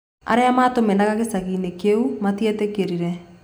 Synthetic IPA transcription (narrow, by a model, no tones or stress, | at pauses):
a̰ɾeamaːtomenaɣaɣesaɣiːnekeumatietekeɾiɾɛ